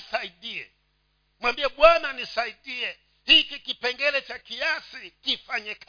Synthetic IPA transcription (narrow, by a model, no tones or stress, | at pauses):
saiɗiɛ̰ | mwambiɛɓwananisaiɗiɛ | hikikipɛŋɡɛlɛt͡ʃakiasikifaɲɛk